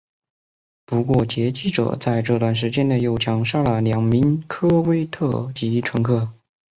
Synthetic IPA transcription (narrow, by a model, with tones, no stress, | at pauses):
pu˧˥kwɔ˥˩t͡ɕjɛ˧˥t͡ɕi˥˩ʈ͡ʂɤ̰˨˩t͡sa˥˧ɪʈ͡ʂɤ˥˧t̪wa˥˩nʂ̬ɻ̩˧˥t͡ɕjɛ˥nne˧jo˥˩ʊt͡ɕʰjɑ˧˥ŋʂɑ˥˩lə˩ljɑ˧˥ŋmi˧˥nkʰɤ˥we˥ɪt̪ʰɤ˥˩t͡ɕi˧˥ʈ͡ʂʰɤ˧˥ŋkʰɤ˥˩